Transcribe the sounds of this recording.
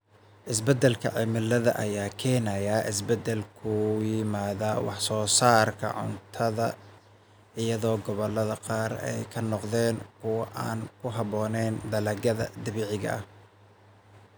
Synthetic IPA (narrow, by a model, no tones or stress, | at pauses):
ʔɪsbɛd̪ɛlkʰɐ̰ʕɪmɪlɐðɐ̰ʔɐ̰jaːkʰɛːnɐjaːʔɪsbɛd̪ɛlkʰʊjɪmaːðawɑ̰ħsɔːsaːrkʰɐ̰ʕʊ̰nt̪ʰɐðɐ | ɪjɐðɔːɡɔβɔlːɐðɐqɑːrɛ̰jkʰɐnɔqðɛːŋkʰʊwɑʔaːnkʰʊɦɑβɔːnɛːnd̪ɐlɐɣɐðɐ̰d̪ɪβɪʕɪɣɐ̰ʔɐ̰